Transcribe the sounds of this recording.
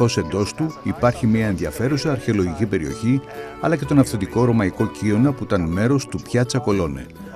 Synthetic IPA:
o̞se̞nd̪o̞st̪uipɐɾçimɲɐe̞nðiɐfe̞ɾusɐːɾçe̞o̞loʝicipe̞ɾio̞çi | ɐlɐce̞t̪o̞nɐfθe̞t̪iko̞ɾo̞mɐiko̞cio̞nɐpuit̪ɐnme̞ɾo̞st̪upçɐt͡sɐko̞lo̞nḛ

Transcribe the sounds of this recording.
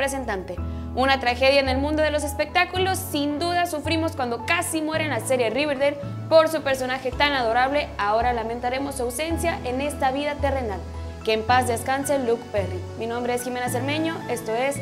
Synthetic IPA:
ɾes̬e̞nt̪ant̪e̞ | unat̪ɾaxe̞ðjaene̞lmũnd̪o̞ð̞e̞lo̞s̬e̞spe̞k̚t̪akulo̞sːind̪uð̞asufɾimo̞skwand̪o̞kasimwe̞ɾenlase̞ɾje̞riβeɾðeð | po̞ɾsupe̞ɾso̞naxe̞t̪anað̞o̞ɾaβle̞ao̞ɾalament̪aɾe̞mo̞sːuawse̞nsjaʔe̞ne̞st̪aβiðat̪e̞re̞nal | keːmpazðe̞skanse̞lukperi | minõmbɾe̞esxime̞nas̬eɾme̞ɲo̞e̞st̪o̞e̞s

